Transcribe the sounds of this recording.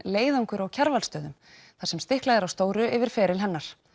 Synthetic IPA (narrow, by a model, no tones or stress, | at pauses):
leːjðawŋkʏɾawcʰaɾvalst̪œːðʏm | θasɛmst̪ɪhklajðɪɾawst̪oːwɾʏɪvɪɾ̥fɛːɾɪlɦɛnːaɾ̥